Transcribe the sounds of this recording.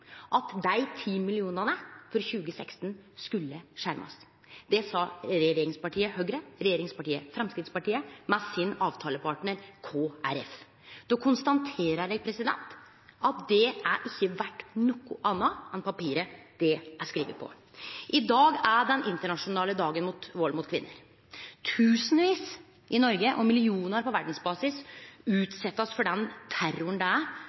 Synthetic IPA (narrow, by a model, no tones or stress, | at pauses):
ʔɑt̪d̪æɪt̪ʰiːmɪlɪuːnənəfɔɾçʉːɡəsɛkst̪nskʉlːəʂæɾmʔɑ̰s | d̪̥ɛsɑɾɛjɾjeːɾɪŋspɑʈiːəhøɡɾəɾɛjeːɾɪŋspɑʈiːəfɾɛmskɾɪd̪spɑʈiːəmɛsɪnɑːʋt̪ʰɑːləpʰɑʈɳəɾkʰoːæɾɛ̰f | d̪ɔkʰʊnst̪ɑnt̪ʰeːɾəɭɛɡpʰɾɛsɪd̪ɛ̰nt̪ | ɑt̪̚d̪ɛʔæɾʔɪçːəʋæʈːnɔkːʊʔɑnːɑɛnpɑpiːɾəd̪̥ɛʔæskɾiːʋə̰pʰɔ̰ | ʔɪd̪ɑːɡæɖɛnʔɪnt̪əɳɑʂʊnɑːləd̪ɑːɡənmʊt̪ʋɔlmʊt̪kʰʋɪnːəɾ | t̪ʰʉːsn̩ʋiːs | ʔɪnɔɾɡəʔɔmɪlɪuːnəɾpɔʋæɖɳ̩sbɑːsɪsʉːt̪sɛt̪ːɑsfɔɖɛnt̪ʰæɾʊɳd̪ɛæ